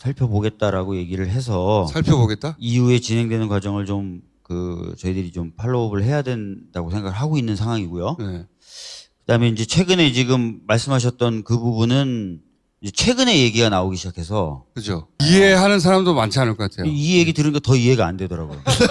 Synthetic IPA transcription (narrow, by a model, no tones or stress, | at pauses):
sʰaɭpʰjʌboɡe̞t̚t͈aɾaɡoje̞ɡiɾɯɭɦe̞s̬ʰʌsʰaɭpʰjʌboɡet̚t͈aiue̞t͡ɕinɦe̞ŋdwe̞nɯnkwad͡ʑʌŋɯɭt͡ɕom | kɯ̰t͡ɕʌidɯɾit͡ɕompʰaɭːoːbɯɭɦe̞jadwe̞ndaɡosʰe̞ŋɡaɡɯɭɦaɡoinːɯnsʰaŋwaŋiɡojone | kɯdaɦɯmjenind͡ʑe̞t͡ɕʰwe̞ɡɯne̞t͡ɕiɡɯmːaɭs͈ɯmɦaɕ̬ʰʌt̚t͈ʌnkɯbubunɯn | id͡ʑe̞t͡ɕʰwe̞ɡɯne̞je̞ɡiɡanaoɡiɕʰid͡ʑakʰe̞s̬ʰʌkɯd͡ʑoieɦanɯns̬ʰaɾamdomant͡ɕʰianɯɭk͈ʰʌk͈atʰe̞jijeɡitɯɾɯɲik͈atʌiɦe̞ɡaandwe̞dʌɾaɡojo